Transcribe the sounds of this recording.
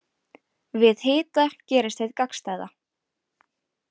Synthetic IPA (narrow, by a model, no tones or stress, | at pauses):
vɪðhɪːt̪ɛhlcɛːɾɪst̪θejðkakst̪aːjða